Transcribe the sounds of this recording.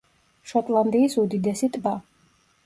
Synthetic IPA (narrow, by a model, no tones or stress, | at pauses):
ʃɔt̪ʼland̪iːsud̪id̪ɛsit̪ʼba